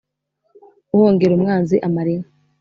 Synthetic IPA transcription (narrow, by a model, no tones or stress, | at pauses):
uhoːŋɡe̞ɾumŋaːnziʔamaɾiŋa